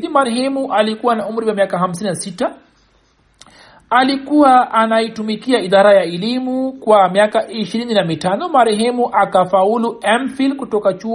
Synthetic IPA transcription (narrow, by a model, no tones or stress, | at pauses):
imaɾɛhɛmuʔalikuwanaum̩ɾiwamiakaɦam̩s̬ininasita | likuwaʔːnaitumikiaiðaɾajaɛlimukwamiakaʔiʃiɾininamitanɔmaɾɛɦɛmuʔakafauluɛmfilkutɔkat͡ʃu